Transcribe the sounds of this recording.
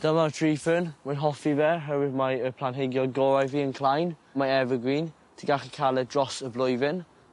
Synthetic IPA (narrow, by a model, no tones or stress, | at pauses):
d̥əmatʰɹ̥iːfənmanɦɔfivɛɦəwɪdmaəpʰl̥ˠanɦeɡjɔɡɔɹajviːənkʰlˠajnmaɛvəɡwiːn | tʰiɡaχikʰalˠɛdrɔsəblˠʊjvɪn